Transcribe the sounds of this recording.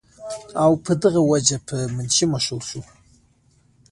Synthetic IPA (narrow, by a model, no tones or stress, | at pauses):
awpʰɨdɨʁawad͡ʒapʰɨmɨnt͡ʃʰɪmaʃʷowsu